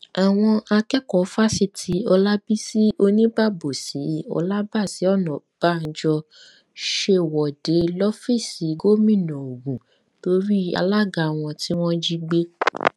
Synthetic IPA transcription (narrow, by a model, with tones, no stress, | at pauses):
a˨w̃ɔ̃˧a˧kɛ˦kɔ˨˦fa˦si˦tʰi˨˦ɔ˧la˦bi˦si˦o˧nĩ˦ba˦˨bo˨si˨˦ɔ̰˧la˦ba˦˨si˨˦ɔ˦˨nɔ̃˨b̥a˦˨n̩˦d͡ʒɔ˧ | ʃe˧˨wɔ˨de˨˦lɔ˦fi˦˨si˨˦ɡo˦mĩ˦˨nɔ̃˨o˨ɡũ˨ | to˧˦ɾi˦a̰˧la˦ɡa˧˨w̃ɔ̃˧ti˦w̃ɔ̃˦d͡ʒi˦ɡ͡be˦